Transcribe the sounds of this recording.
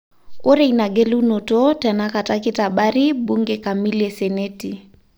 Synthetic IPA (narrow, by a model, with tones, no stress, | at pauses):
o˦ɾe˦˨ina˨ɡe˦lu˦no˨to˦tɛ˨na˦ka˨ta˦ki˦ta˨ɓa˦ɾi˦bu˦ŋɡeka˨mi˦le˨se˨ne˦ti˨